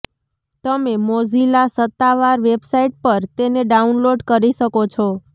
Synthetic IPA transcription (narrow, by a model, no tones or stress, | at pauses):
t̪əmemod͡ʒʱilasət̪ːaʋaɾʋebsaiʈ̚pəɾt̪eneɖaunloɖkəɾiʃəkot͡ʃʰɔ